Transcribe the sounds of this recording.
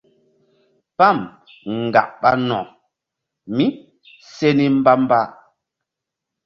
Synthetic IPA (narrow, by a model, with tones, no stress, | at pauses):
pa˦˨m | ŋ̩˨ɡa̰˨ʔɓa˦nɔ̰̃˨ | mi˦ | se˦ni˦m̩˦ba˦m˦ba˦